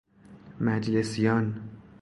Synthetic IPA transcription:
mæd͡ʒlesijɒːn

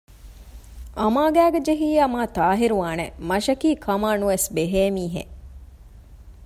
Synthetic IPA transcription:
ɐmaːɡæːɡed͡ʒeɦiːɐmaːt̪aːɦiɾuʋaːnemɐʃɐkiːkʰɐmaːnuʋesbeɦeːmiːɦḛ

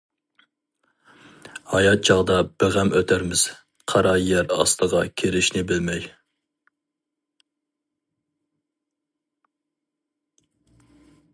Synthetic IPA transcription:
hɑjɑt̪̚d͡ʒɑʁd̪ɑb̥eʁæmøt̪ʰæɾmɪz̥ | qʰɑɾɑjæɾɑ̰st̪əʁɑkʲʰeɾɪʃnɪbɪlmɛj

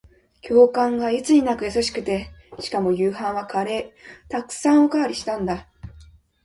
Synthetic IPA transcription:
kʲʰo̞ːkãŋɡait͡sɨɲ̟inakɯ̟jasaɕi̥kɯ̟t̪e̞ɕi̥kamo̞jɯːɦãɰ̃βakaɾe̞ːt̪akɯ̟̥sãɰ̃o̞kaːɾʲiɕi̥t̪ãnd̪a

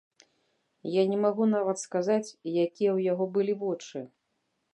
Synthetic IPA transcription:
janʲɛmaɣunavɐt̪skazat͡sʲjakʲijɛwjaɣɔbɨlʲivɔt͡ʂɨ

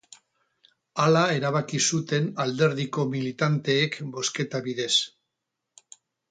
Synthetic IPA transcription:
alae̞ɾaβ̞akisut̪e̞nald̪e̞ɾðiko̞milit̪ant̪e̞ːkbo̞ske̞t̪aβiðe̞s

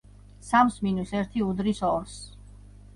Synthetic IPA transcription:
samsminusɛɾt̪ʰiud̪ɾisɔɾs

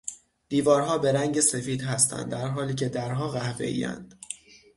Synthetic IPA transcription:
d̪̥iːvɒːɾɦɒːbe̞ɾæŋɟe̞se̞fiːd̪ɦæst̪ʰæ̰nd̪ːæɾɦɒːliːcʰe̞d̪æɾɦɒːɣæhve̞̰ʔḭːæ̰nd̪̥

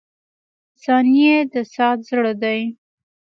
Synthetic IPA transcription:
sɑnijed̪əsɑt̪zɽəd̪aj

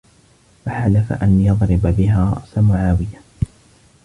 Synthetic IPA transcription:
faħalafa̰ʔanjɑðˤɾɪbbɪɦaːɾˤɑ̰ʔsamʊʕaːwɪja

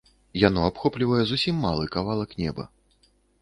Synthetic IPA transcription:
janɔapxɔplʲivɐjɛzusʲimːalˠɨkavalˠɐknʲɛ̰bɐ̰

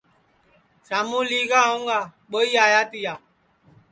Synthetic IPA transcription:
saːmuːliːɡaːũŋɡaːɓoiːaːjaːt̪ijaː

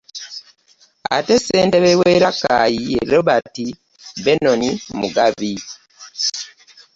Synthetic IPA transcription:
a̰tese̞ːnteβeweɾakajieɾoβati | be̞nonimuɡaβi

